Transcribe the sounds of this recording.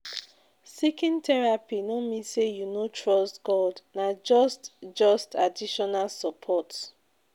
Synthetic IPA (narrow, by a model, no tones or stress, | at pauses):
sikĩntʰɛɹapinomĩsejunotʰɹɔstɡ̥ɔdnad͡ʒɔstd͡ʒɔstʰadiʃɔnalsɔpʰɔt